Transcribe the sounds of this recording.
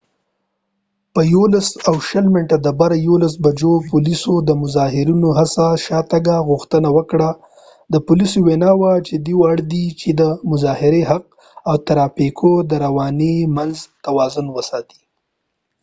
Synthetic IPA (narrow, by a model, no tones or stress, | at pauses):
pəjolasawʃəlmɪʈad̪əbaɾajolas̬bad͡ʒopulisod̪əmʊzɑɦɪɾinoɦasaʃɑt̪aɡaɣʊxt̪ənawəkɽa | d̪əpʊlisowenɑwat͡ʃed̪iwaɽd̪it͡ʃed̪əmʊzɑhɪɾeɦaq̚ | awt̪aɾɑpikʰod̪əɾawɑnemanzt̪awɑzʊnwəsɑt̪i̥